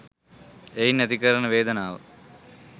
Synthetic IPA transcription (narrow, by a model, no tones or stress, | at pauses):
ejnɐd̪ikɐɾɐnɐʋeːd̪ɐnaːʋɐ̰